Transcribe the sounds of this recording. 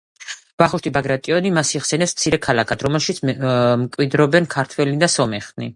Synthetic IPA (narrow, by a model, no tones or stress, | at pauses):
v̥aχuʃt̪ʰʼibaɡɾat̪ʼiɔnimasiχsɛnɛpsm̥t̪sʰiɾɛkʰalˠakʰad̪ɾɔmɛlˠʃit̪smkʼwid̪ɾɔbɛnkʰaɾt̪ʰwɛlid̪asɔmɛχnḭ